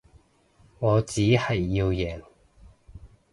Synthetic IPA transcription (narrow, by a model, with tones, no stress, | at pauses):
ŋɔː˨˧t͡siː˨˥hɐ˨jːiː˧wjɛː˨˩ŋ